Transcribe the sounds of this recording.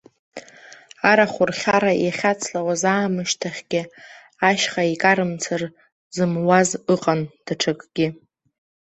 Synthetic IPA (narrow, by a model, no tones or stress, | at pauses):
aɾaχʷʊrχʲaɾajaχʲat͡sʰlawazaːmɨʃtʰaχʲɡ̥ʲɪ | aʃχaikʼaɾɨmt͡sʰar | zɨmwazɨqʼand̥aʈ͡ʂʰakʼɡ̥ʲɪ